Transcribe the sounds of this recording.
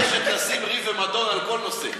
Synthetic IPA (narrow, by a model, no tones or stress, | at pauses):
ʃek̪asimʁivemad̪ɔnalbɔnɔsḛ